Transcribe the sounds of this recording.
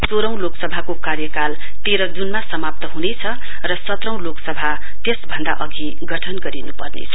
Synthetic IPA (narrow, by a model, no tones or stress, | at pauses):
soɾʌ̃w̃loksʌbʱakokarjʌkal | t̪eɾʌd͡zunmasʌmap̚t̪ʌɦunet͡sʰʌ | rʌsʌt̪rʌw̃loksʌbʱa | t̪esbʱʌnd̪a̰ʔʌɡʱi | ɡʌʈʰʌnɡʌɾinupʌrnḛt͡sʰʌ